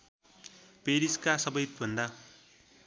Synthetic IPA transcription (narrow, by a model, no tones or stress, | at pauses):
peɾiskasʌbʌjt̪bʱʌnd̪a